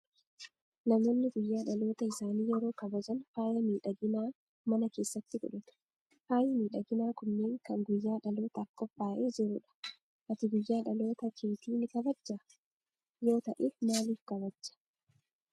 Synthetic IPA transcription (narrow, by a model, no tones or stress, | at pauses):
nɐmoːnːɪɡʊjːaːᶑɐlo̞ːt̪ɐɪsaːniːjɛɾo̞ːkɐbɐzɐnfaːjɐmiːᶑɐɡɪnaː | mɐnɐke̞ːsːɐt̪ːɪɡɔ̰ᶑɐt̪ɐ̥ | haːjɪmiːᶑɐɡɪnaːkʊnːe̞ːŋkɐŋɡʊjːaːᶑɐlo̞ːt̪ɐːkːɔfːaːʔeːd͡ʒɪɾʊᶑɐ̥ | ʔɐt̪ɪɡʊjːaːᶑɐlo̞ːt̪ɐt͡ʃiːt̪iːnɪkɐbɐd͡ʒːɐ | jo̞ːt̪ɐʔeːmaːliːfkɐβɐd͡ʒːɐ̥